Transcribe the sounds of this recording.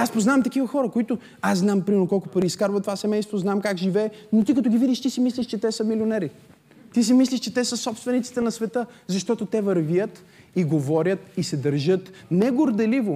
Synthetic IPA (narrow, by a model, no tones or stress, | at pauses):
aspoznavɐmt̪ɐkivɐxɔɾəkoit̪ʊ | asznampɾimɛɾnʊkɔlˠkʊpɐɾiskaɾbvət̪ovasɛmɛjst̪voznamkakʒivɛːnot̪ikɐt̪oɡʲivid̪iʃt̪isimislʲiʃt͡ʃɛt̪ɛsəmilionɛɾi | t̪is̬imisliʃt͡ʃɛt̪ɛsəsɔpst̪vɛnit̪si̥t̪ɛnɐsvɛt̪ɤzɐʃt̪ɔt̪ot̪ɛvɐɾviət̪ | iɡovɔɾʲət̪isɛd̪ɐɾʒɤt̪nɛɡoɾd̪ɛlivo